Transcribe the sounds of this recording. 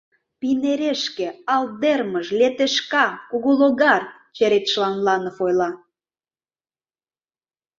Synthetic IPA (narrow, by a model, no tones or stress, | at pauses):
pineɾeʃkĕɑld̪erməʃlʲet̪eʃkɑkuɣuloɣɑr | t͡ɕeɾet̪ʃlɑnlɑnofojlɑ